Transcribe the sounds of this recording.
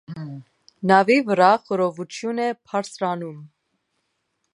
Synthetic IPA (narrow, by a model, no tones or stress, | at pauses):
nɑvivəɾɑχəɾɔvut͡ʃʰjunɛpʰɑɾsɾɑnum